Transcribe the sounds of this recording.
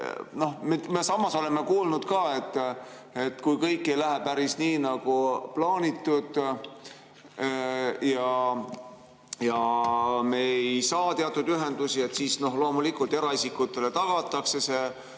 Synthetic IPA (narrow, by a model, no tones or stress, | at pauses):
no̞hmemesɑmːɑso̞le̞mːe̞kuːlnud̪̥kɑːe̞t̪ːˑ | e̞t̪kujkɤjkːˑe̞jlæɦepæɾisniːnɑɡ̥uplɑːnʲit̪ːud̪̥ | jɑ | jɑme̞ejsɑːt̪eɑt̪ːˑud̪̥yɦe̞nd̪̥usie̞t̪siːsno̞ɦlo̞ːmulikult̪ːe̞ɾɑisikːˑut̪ːˑe̞le̞t̪ɑɡ̥ɑt̪ːˑɑkse̞se̞